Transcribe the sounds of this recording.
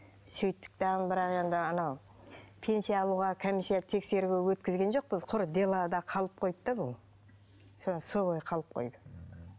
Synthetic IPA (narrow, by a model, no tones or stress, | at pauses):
sɵjt̪ːɪ̥k̚t̪ɑʁənbɪɾɑqe̞nd̪ɪɑnɑw | pʰe̞nsijaːlˠuʁɑkʰomisijat̪ʰe̞kse̞ɾuɡʲewɵt̪kʲɪzɡʲe̞nʒo̞q̚pəzqʰʊɾd̪e̞lˠɑd̪ɑqʰɑlˠəp̚qʰo̞jd̪əd̪ɑbʊlˠ | sonsobojqʰɑlˠəp̚qʰo̞̰jd̪ə